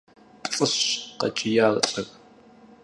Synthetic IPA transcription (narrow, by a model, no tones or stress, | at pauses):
pʼt͡sʼɨɕqɐ̰t͡ʃʼɪjaːlɬʼɐɣ